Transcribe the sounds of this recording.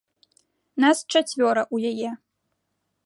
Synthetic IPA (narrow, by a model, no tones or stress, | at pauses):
nast͡ʂat͡sʲvʲɔɾɐʔujajɛ